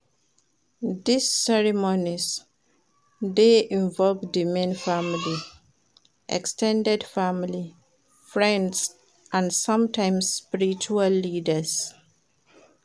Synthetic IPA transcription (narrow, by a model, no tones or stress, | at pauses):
disːɛɹimoniz | deʔĩɱvɔlvdimẽnfamili | ʔɛ̰kstʰɛ̃ndɛdfamili | fɹɛ̃nds | ʔãnsʌ̃mtʰãɪ̃msspiɹit͡ʃualːidəs